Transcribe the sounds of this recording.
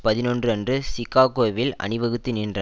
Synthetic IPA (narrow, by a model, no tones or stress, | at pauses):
pɐðɪnɔndrɯɛndrɯsɪkːaːɣoːʋɪlɐ̰ɳɪʋɐɣɯt̪ːinɪndrɐ